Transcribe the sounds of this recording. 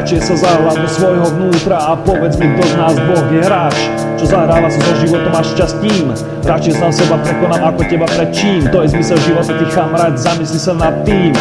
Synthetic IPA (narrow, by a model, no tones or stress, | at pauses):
t͡ʃijɛsazaɦlad̪ɔsʋɔjɦɔʋnuːt̪ɾaapɔʋɛd͡zmɛɡd̪ɔznaːzbɔɣjɛɦɾaːt͡ʃ | t͡ʃɔzaɦɾaːʋasazɔʒiʋɔt̪ɔmaʃʃt͡ʃast̪iːm | ɾat͡ʃjɛsasɛbapɾɛkɔnamakɔcɛbapɾɛt̪̚t͡ʃiːmt̪ɔjɛzmisɛlʒiʋɔt̪at̪ixkamɾaːd̪zamislisanat̪ːiːm